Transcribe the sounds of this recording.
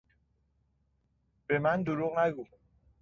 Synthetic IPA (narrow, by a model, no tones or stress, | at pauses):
b̥emænd̪oɾuʁnæɡu